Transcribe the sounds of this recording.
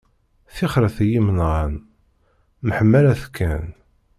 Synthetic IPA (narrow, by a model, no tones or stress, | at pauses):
θiχɾəθæjimənʁan | məħəmːælæθkʰːæn